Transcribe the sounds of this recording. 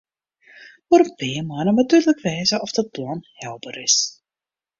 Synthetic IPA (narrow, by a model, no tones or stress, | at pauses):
foɾpɪəmaːnənatyːrləkʋɛjzəɔfd̥əplɔnhɛlˠbəɾɪs